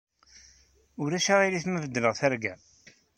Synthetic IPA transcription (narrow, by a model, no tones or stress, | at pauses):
ʊɾæʃaʁiɾiθməvəd̪ːnəʁθæɾɡæ